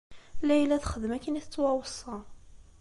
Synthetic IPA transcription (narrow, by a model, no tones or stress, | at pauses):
læjlæθχəðəmækːənæθət͡sːwæwəsˤːɑ